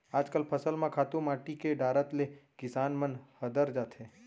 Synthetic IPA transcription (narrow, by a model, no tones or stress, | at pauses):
aːd͡ʒkəlpʰəsəlmãkʰaːt̪ũmaːʈikeɖaːɾət̪lekɪsaːnmənhəd̪əɾd͡ʒaːt̪ʰɦẽː